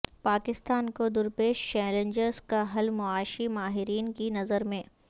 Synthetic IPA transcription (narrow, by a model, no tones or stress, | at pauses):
paːkɪst̪aːnkod̪ʊɾpeːʃt͡ʃɛːlə̃ɲd͡ʒəɾzkaɦɐlmʊaːʃimaːɦɪɾiːnkinɐzəɾmẽː